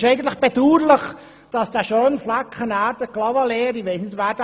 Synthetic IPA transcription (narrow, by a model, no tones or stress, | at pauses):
ʃeɪɡən̩t̪ləχb̥ɛduːɾləχ | d̥ɑsd̥æʃøːnflakχənæːɾd̥əklɑʋɑleːɾɪʋɛɪsnɪdʋæːɾd̥